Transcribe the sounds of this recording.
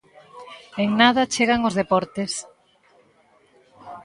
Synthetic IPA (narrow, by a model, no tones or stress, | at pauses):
eŋnaðat͡ʃeɣaŋozðepɔɾt̪es